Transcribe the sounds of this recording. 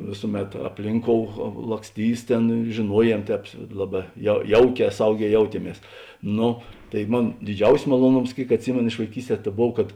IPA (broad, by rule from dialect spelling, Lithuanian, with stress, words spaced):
ˈʋʲeːsʊˌmʲɛt ɐpʲˈlʲɪŋˌkoːʊ lˠɐksʲˈtʲiːs ˈtʲeːn ʒʲeːˈnuɔˌjiɛm ˈtʲɛːp ˈlˠɑːˌbɑː jɛʊ ˈjɛʊˌkʲɛː ˈsɐʊˌɡʲɛː ˈjɛʊtʲiɛˌmʲiɛs ˈnʊ tɐɪ ˈmoːn dʲɪˈd͡ʒʲɛʊsʲɪs mɐlˠuɔˈnoːms ˈkʲeːɪk ɐtʲˈsʲɪmʲeːnoː ɪʃ ʋɐɪˈkʲiːsʲˌtʲɛː tɐ ˈboːw kɐt